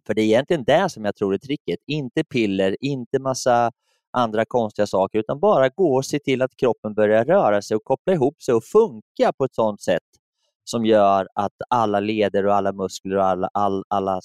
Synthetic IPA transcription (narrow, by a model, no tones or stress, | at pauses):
fœɖɛɛjɛnt̪lɪɡənd̪ɛʂɔmjaːt̪ʰɾuːɾɛt̪ʰɾɪk̪ːɪt̪ɪnt̪əpʰɪlːəɾɪnt̪əmasːa | ʔand̪ɾakʰɔnst̪ɪɡasɑːkəɾʉ̟ːt̪anbɑːɾaɡoːɔsɛt̪ʰɪlːat̪kʰɾɔpːənbœɾjaɾœːɾasɛjɔkʰɔplaɪɦuːpːsɛjɔfɵŋkapʰɔɛt̪sɔnt̪sɛ̰t̪ː | sɔmjœːɾat̪alːaleːd̪əɾɔalːamɵskləɾɔalːa̰ʔalʔalːa